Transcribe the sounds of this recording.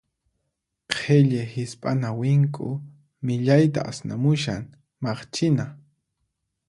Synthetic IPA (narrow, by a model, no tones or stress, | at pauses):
qʰeʎehɪspʼanawɪŋkʼʊ | mɪʎajt̪a̰ʔasna̰mʊʃaŋ | mɑχt͡ʃɪna